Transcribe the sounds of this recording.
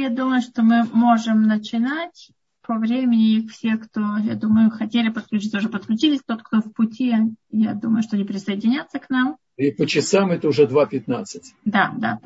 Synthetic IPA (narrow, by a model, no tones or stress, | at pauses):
jad̪uməjʊʂt̪omɨmo̞ʐɨmnət͡ɕɪnatʲ | pɐvɾʲemʲɪnʲɪfsʲe̞kt̪oja̰d̪uməjʊxɐtʲelʲɪpət̪̚klʲʉt͡ʃit̪səʊʐɛpət̪̚klʲʉt͡ɕilʲɪsʲt̪o̞t̪kt̪ofpʊtʲijad̪uməjʊʂt̪onʲɪpɾʲɪsəɪdʲɪnʲat̪səknam | ipət͡ɕɪsamɛt̪əʊʐɛd̪vapʲɪt̪nat̪sɨtʲd̪ad̪a̰